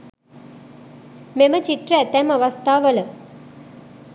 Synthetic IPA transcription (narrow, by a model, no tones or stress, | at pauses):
memət͡ʃit̪ɾəɛt̪ɛmɐʋɐst̪ʰaːʋələ